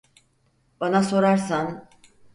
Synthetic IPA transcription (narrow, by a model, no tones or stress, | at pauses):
b̥anaso̞ɾaɾsan